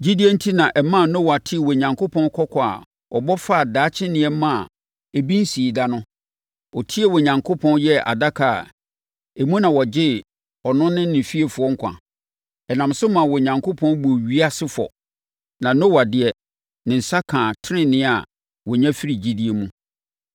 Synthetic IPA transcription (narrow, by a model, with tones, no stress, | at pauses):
d͡ʑi˦di˦e˦n̩˦tʰi˦nã˨ʔɛ˨mã˦˨nɔ̃˦wa˨tʰɪ˦˨wɔ˨ɲã˨ŋkʰo˦pʰɔ̃˦n˦kʰɔ˦kʰɔ˨a̰˨ | ɔ̰˨bɔ˦fa˦˨daː˨˦t͡ɕʰɪ˦nɪ̃˨ɛ˦mã˦˨ | e˨bĩ˦n̩˦si˨i˨da˦nʊ̃˦ | ɔ˨tʰi˦e˦˨wɔ˨ɲã˨ŋkʰo˦pʰɔ̃˦n˦jɛ˦ʔa̰˨da˦kʰa˨a̰˨ | e˨mũ˦nã˨wɔ˨d͡ʑɪ˦ | ɔ˨nʊ̃˦nɪ̃˦nɪ̃˨fi˦e˨fʊ˨˦ɔ˦ŋ̩˦kʷʰã̰˨ | ɛ˨nã˨msʊ˦mã˨wɔ˨ɲã˨ŋkʰo˦pʰɔ̃˦n˦bo˨ɥi˦a˦sɪ˦fɔ̰˨ | nã˨nõ˦wa˨dɪ˨ɛ˨ | nɪ̃˨n̩˨sa˦kʰãː˨tʰɪ˦ɾɪ̃˦nɪ̃˦a˨ | wɔ˨ɲã˦fi˦ɾi˨d͡ʑi˦di˦e˨mũ˦